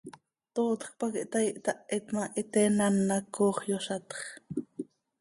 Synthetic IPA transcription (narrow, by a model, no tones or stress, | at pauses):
t̪oːt̪χpɑkiʔt̪ɑiʔt̪ɑʔʔit̪mɑʔit̪ɛːnanːɑkːoːχjoʃɑt̪χ